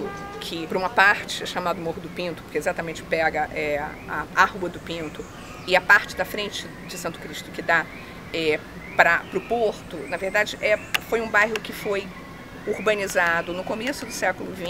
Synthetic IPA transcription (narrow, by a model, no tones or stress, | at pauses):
ʊ | kʰɪpɾũmɐpaɾt͡ʃɪɛʃamad̪ʊmoɾʊd̪ʊpĩnt̪ʊ̥poɾkezat̪ɐmẽnt͡ʃɪ̥pɛɡɐʔɛ | a̰ahuwɐd̪ʊpĩnt̪ʊ | ɪɐpaɾt͡ʃɪd̪ɐfɾẽnt͡ʃɪ | d͡ʒɪsɐ̃nt̪ʊ̥kɾiʃt̪ʊkɪd̪a | ɛ | pɾɐpɾʊpoɾt̪ʊnɐveɾd̪ad͡ʒɪʔɛfojũbajɦʊkɪfoj | uɾbɐ̃nizad̪ʊnʊkomesʊd̪ʊsɛkʊlʊvĩ